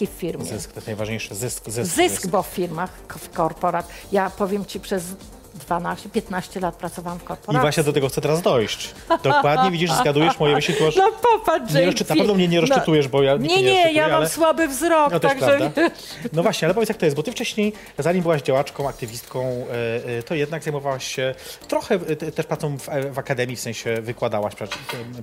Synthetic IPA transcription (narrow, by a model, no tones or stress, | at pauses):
iffʲiɾmzɘskt̪ɛnajvaʐɲejʂɨzɘskzɪzɘskbɔffʲiɾmaxfkɔɾpɔɾat̪japɔvʲjɛmt͡ɕipʂɛz | d̪vanaɕt͡ɕɛpʲjɛt̪naɕt͡ɕɛlat̪̚pɾat̪sɔvawamfkɔɾpɔɾiavwaʃɕɲɛd̪ɔt̪ɛɡɔxt̪sɛt̪ɛɾazd̪ɔjɕt͡ɕ | d̪ɔkwad̪ɲɛvʲid͡ʑiʂzɡad̪ujɛʂmɔjɛvɪʃik̪uanɔpɔpadɲɛɾɔsɨt̪napɛvnɔmɲɛɲɛɾɔst͡ʂɨt̪ujɛʂbɔjaɲikɲɛɲɛjamamaaɛmswabɘvzɾɔknɔt̪ɔɛsaɡpɾavd̪a | nɔvwaɕɲɛalɛpɔvʲjt̪sjakt̪ɔjɛst̪bɔt̪ɘft͡ʂɛɕɲej | zaɲimbɘwaʑd͡ʑawat͡ʂkɔ̃w̃ak̚t̪ɨvʲist̪kɔ̃w̃t̪ɔjɛd̪naɡzajmɔvawaɕɕɛt̪ɾɔxɛt̪ɛʂpɾat̪sɔ̃w̃vɛvakad̪ɛmʲjifsɛ̃ɕɛvɨkwad̪awaɕpʂɛt͡ɕ